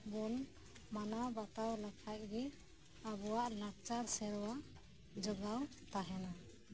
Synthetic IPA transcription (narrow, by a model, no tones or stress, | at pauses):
bɔn | manabat̪awlakʰac̚ɡɛ | abɔwaʔlak̚t͡ʃaɾsɛɾɔwa | d͡ʒɔɡaw | t̪aɦɛna